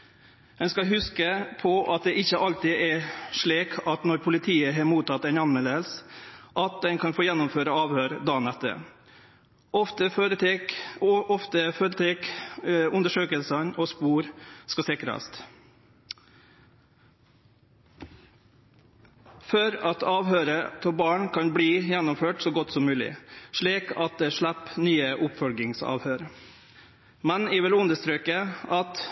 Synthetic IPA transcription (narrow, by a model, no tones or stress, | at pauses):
ɛnskɑɦʉskəpʰɔʔɑt̪̚d̪ɛʔɪçəʔɑlt̪ɪʔɛʂɭiːkʰɑt̪nɔɾpʰʊlɪt̪ʰiːəɦeːɾmuːt̪ʰɑt̪ːɛnɑnmɛləlsʔɑt̪̚d̪ɛnkʰɑnfoːjɛnːʊmføːɾəɑːʋhøːɾd̪ɑːnɛt̪ːə̰ | ʔɔft̪əɾt̪ekɔft̪əføːɾət̪ʰeːkʉnd̪əʂøːkəlsənoːspuːɾskɑsɪkɾɑ̰st̪ | føːɾɑt̪ʰɑːʋhøːɾət̪ʰɔbɑːɳkʰɑnbliːjɛnːʊmføːʈsoːɡɔt̪sɔmmʉːlɪ̰ʂɭiːkʰɑt̪̚d̪eːʂɭæpnyːəʔʊpfɔlɡɪŋsɑ̰ːʋhøːɾ | mɛnɪʋɪlʉnd̪əst̪ɾøːkəɑt̪